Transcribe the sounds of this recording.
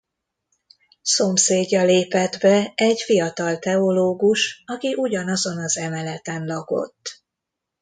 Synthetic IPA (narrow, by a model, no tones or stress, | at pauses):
so̞mseːɟːɒleːpɛd̪bɛɛɟfijɒt̪ɒlt̪ɛo̞loːɡuʃɒkiʔuɟɒnɒzo̞nɒzɛmɛlɛt̪ɛnlɒko̞̰t̪ː